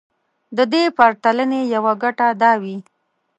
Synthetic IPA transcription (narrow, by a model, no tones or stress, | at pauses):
d̪əd̪epaɾt̪alənejawaɡaʈad̪ɑwi